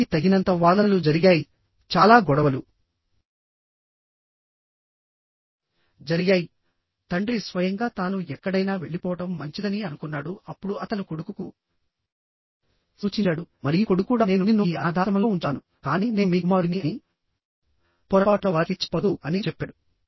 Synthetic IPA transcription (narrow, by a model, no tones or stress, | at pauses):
it̪ɐɡinɐnt̪ɐʋaːd̪ɐnɐlud͡ʒɐɾiɡaːji | t͡ʃaːlaːɡɔɽɐʋɐlu | d͡ʒɐɾiɡjaːji | t̪ɐɳɖɾisʋɐjɐŋɡaːt̪aːnuɛkːɐɽɐjnaːʋe̞ɭːipɔːʋɐʈɐmːɐɲt͡ʃid̪ɐniɐnukunːaːɽuɐpːuɽuɐt̪ɐnikoɽukuku | suːt͡ʃit͡ʃaːɽumɐɾijukoɽukuːɽane̞ːnuninuaːd̪ʱaːɾɐmɐloːuɳʈaːnu | kaːniːne̞nmiːɡumaːɾiniɐni | pɔɾɐpaːʈlɐʋaːlit͡ʃːɐ̥pod̪uɐnit͡ʃɛpːaːɽu